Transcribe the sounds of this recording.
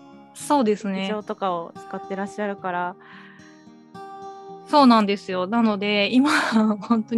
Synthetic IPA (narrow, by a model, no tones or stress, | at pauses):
so̞ːd̪e̞sɨne̞o̞ːt̪o̞kao̞t͡sɨ̥kat̪ːe̞ɾaɕːaɾɯ̟kaɾa | so̞ːnãnd̪e̞sɨjo̞nano̞d̪e̞imahõ̞nt̪o